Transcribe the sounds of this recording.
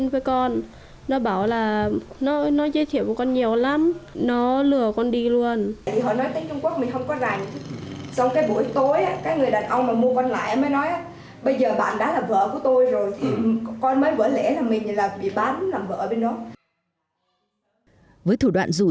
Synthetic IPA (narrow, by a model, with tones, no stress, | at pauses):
nvəː˨˦jkɔ˧n | nɔ˨˦ɓaː˧˩wlaː˨˩nɔ˨˦nɔ˨˦zəː˧jt̪ʰi˧˩˨əwku˧˩kɔ˧nɲi˨˩əwla˨˦mnɔ˨˦lɨ˨˧˩əkɔ˧nɗi˧lu˧ən˨jt̪ʰi˨˩ɦɔ̰˧˨nɔ˨˦jt̪əː˨˦t͡ɕʊ˧ŋ͡mku˦˥ək̚mï˨˩ŋ̟hə˧wŋ͡mkɔ˨˦za˨˩jŋsɔ˧wŋ͡mkaː˨˦jɓu˧˩ə˨jt̪o˨˦jʔaː˨˦kaː˨˥k̚ŋɨ˨˩əjɗaː˨˩nʔə˧wŋ͡mmaː˨˩mu˧əkɔ˧nla̰ː˧˨jʔa˨məː˨˦jnɔ˨˦jʔaː˨˦ | ɓə˧jzəː˨˩ɓa̰ː˧˨nɗa̰ː˧˥laː˨˩və̰ː˧˨ku˧˩ət̪o˧jzo˨˩jt̪ʰi˨˩kɔ˧nməː˨˦jvə̰ː˧˥˩lɛ̰˧˥laː˨˩mï˨˩ŋ̟laː˨˩ɓḭ˧˨ɓaː˨˦nlaː˨˩mvə̰ː˧˨˩ɓe˧nːɔ˨˦ | vəː˨˦jt̪ʰu˧˩ɗwa̰ː˧˨nzu˨˩